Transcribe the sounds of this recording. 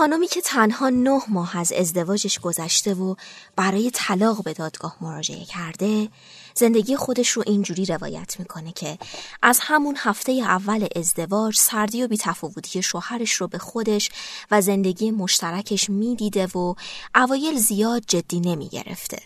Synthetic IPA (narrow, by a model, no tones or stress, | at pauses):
xɒːnomiːcʰe̞t̪ʰænhɒːnohmɒːɦæze̞̰zd̪e̞vɒːd͡ʒe̞ʃɡ̥o̞zæʃt̪e̞vob̥æɾɒːje̞t̪ʰælɒːɣbe̞d̪ɒːd̪̥ɡɒːhmo̞ɾɒːd͡ʒe̞̰ʔe̞̰cʰæɾd̪e̞ | ze̞nd̪e̞ɟije̞xo̞d̪e̞ʃro̞ʔind͡ʒuːɾiːɾe̞vɒ̰ːjæ̰t̪ʰmiːkʰo̞ne̞cʰe̞ʔæzhæmunhæft̪e̞jeævːæleʔezd̪e̞vɒːd͡ʒsæɾd̪ijo̞biːt̪ʰæfɒːvot̪ʰije̞ʃohæɾe̞ʃrobe̞xo̞d̪e̞ʃvæze̞nd̪e̞ɟiːje̞mo̞ʃt̪ʰæɾæcʰe̞ʃmiːd̪iːd̪e̞voʔævɒːje̞lzijɒːd̪̚d͡ʒe̞d̪̥ːiːne̞mḭɟḛɾḛft̪ʰe̞̰